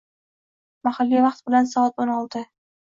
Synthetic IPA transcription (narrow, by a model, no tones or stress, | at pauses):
mahalːijvɑqt̪̚bɪlansɒːat̪onɒlˠt̪ʰɪ